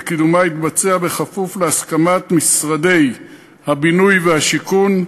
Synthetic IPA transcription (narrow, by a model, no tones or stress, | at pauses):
kid̪umait̪bat͡seabe̞χafufleaskamat̪misʁad̪e̞j | habinujvehaʃikun